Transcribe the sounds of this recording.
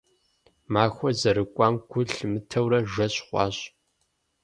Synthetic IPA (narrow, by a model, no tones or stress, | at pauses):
maːxʷɔzɐɾɨkʷʼɑːmɡʷʊɬmɨtʰɐwrɐʒɐɕχʷɑ̰ːɕ